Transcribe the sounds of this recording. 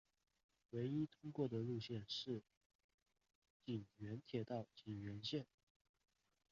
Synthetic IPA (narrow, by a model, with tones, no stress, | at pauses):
we˧˥ɪi˥t̪ʰʊ˥ŋkwɔ˥˩d̪ə˩lu˥˧ɕjɛ˥˧nʂɻ̩˥˩ | t͡ɕi˨˩ŋɥɛ˧˥nt̪ʰjɛ˨˩t̪ɑ˥˩ʊt͡ɕi˨˩ŋɥɛ˧˥nɕjɛ˥˩n